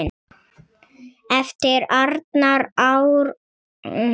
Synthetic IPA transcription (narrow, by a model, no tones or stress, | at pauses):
ɛft̪ɪɾaɾt̪naɾawɾ